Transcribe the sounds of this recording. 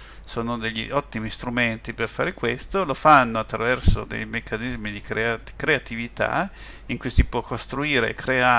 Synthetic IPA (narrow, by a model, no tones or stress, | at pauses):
soːnod̪eʎːḭʔɔt̪ːimist̪ɾument̪iperfaːɾekwest̪olofanːoat̪ːɾavɛrso̰d̪ḛjmekːanizmid̪ikɾeakɾeat̪ivit̪a̰ | iŋkujsipwɔkːost̪ɾuiːɾḛkɾea